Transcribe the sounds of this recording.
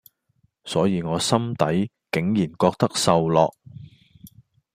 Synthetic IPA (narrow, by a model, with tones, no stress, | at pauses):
sɔː˨˥jiː˨˧ŋɔː˨˧sɐ˥mt̪ɐ˨˥j | kɪ˨˥ŋjiː˨˩nkɔː˧k̚t̪ɐ˥k̚sɐ˨wlɔː˨k̚